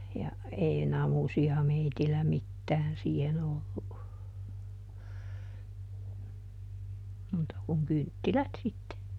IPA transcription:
jɑ ei nɑmusiɑ meitilːæ mitːæːn siːhen olːu muːtɑ kuŋ kyntːilæt sitːe

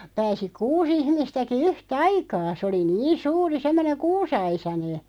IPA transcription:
pæːsi kuːs ihmistæki yhtɑikɑː sĕ oli niːn suːri semːoneŋ̆ kuːsɑisɑne

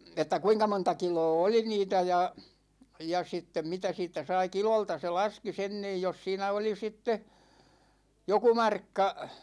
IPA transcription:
etːæ kuinkɑ montɑ kiloː oli niːtæ jɑ jɑ sitːem mitæ siːtˑæ sɑi kiloltɑ se lɑski sen niːj jos siːnæ oli sitːe joku mɑrkːɑ

